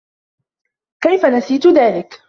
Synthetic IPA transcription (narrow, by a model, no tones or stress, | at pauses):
kajfanasiːt̪ʊðaːlɪk